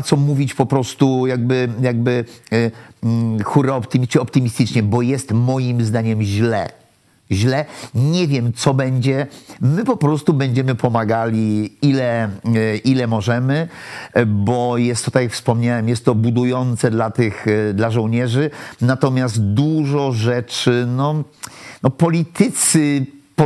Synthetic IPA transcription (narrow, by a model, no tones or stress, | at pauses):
t̪sɔmuvʲit͡ɕpɔpɾɔst̪ujaɡ̚bɘjaɡ̚bɘ | xuɾɛɔpt̪ɨmʲəɔpt̪ɨmʲist̪ɘt͡ʂɲɛbɔjɛst̪mɔjimzd̪aɲɛmʑlɛ̰ | ʑlɛɲɛvʲjɛmt̪sɔbɛɲd͡ʑɛmɘpɔpɾɔst̪ubɛɲd͡ʑɛmɘpʰɔmaɡalʲiilɛ | ʔilɛmɔʐɛmɘ | bɔjɛst̪ːɔt̪akjakfspɔmɲawɛmjɛst̪ːɔbud̪ujɔnt̪sɛd̪lat̪ɘxd̪laʐɔ̃wɲɛʐɘnat̪ɔmʲjast̪̚d̪uʐɔʐɛt͡ʂɘnɔnɔpɔlʲit̪ɘt̪sɘp